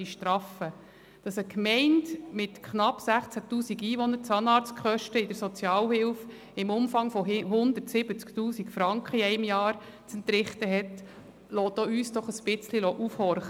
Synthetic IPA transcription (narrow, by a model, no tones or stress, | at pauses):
iʃtɾɑfə | d̥ɑsəkmɛɪndmɪtkχnɑpsæχt͡sætuːsiɡiːʋɔnːəɾt͡sɑnɑːɾt͡skχœʃtəɪd̥əɾsɔt͡sjɑːlhɪlf | ɪmʊmfɑŋfɔɦʊnd̪əɾtsɪb̥ət͡sktuːsikfɾɑŋkχəiɛɪmjɑːɾ | t͡sɛntɾɪχtəɦɛt | lɔːtoːyːsd̥ɔχəsb̥ɪt͡slilɔʔufhɔɾχ